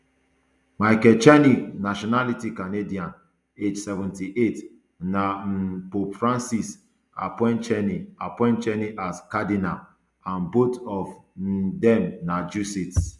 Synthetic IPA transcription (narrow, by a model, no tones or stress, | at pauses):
maɪkɛt͡ʃaniknaʃɔnalitikanediãn | ed͡ʒsɛvɛ̃ntiʔet | napopfɹãnsis | a̰pɔ̃ɪ̃nt͡ʃɛniapɔ̃ɪ̃nt͡ʃɛniʔaskadinam | ãnbotɔfdɛ̃mnad͡ʒusit